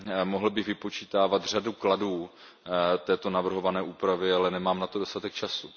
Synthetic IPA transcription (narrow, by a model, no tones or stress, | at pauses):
moɦl̩bɪɣvɪpo̞t͡ʃiːt̪aːvat̪r̝adukladuː | t̪ɛːt̪o̞navr̩ɦo̞vanɛːʔuːpɾavɪalɛnɛmaːmnat̪o̞do̞st̪at̪ɛk̚t͡ʃasu